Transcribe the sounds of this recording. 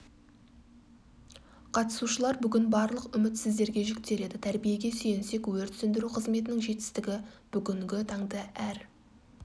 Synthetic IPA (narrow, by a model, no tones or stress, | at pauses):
qʰɑt̪ə̥suʃəlˠɑɾbʏɡʲɪnbɑɾlˠəqʏmɪt̪sɪzd̪e̞ɾɡʲe̞ʒʏkt̪e̞ɾe̞d̪ɪt̪ʰæɾbije̞ɡʲe̞sɵjɪnse̞kwɵɾt̪sɪnd̪ɪɾuqʰəzme̞t̪̬ɪnɪŋʒe̞t̪ɪ̥st̪ɪɡʲɪb̥ʏɡʲɪŋɡʲɪt̪ʰɑŋd̪ɑʔæɾ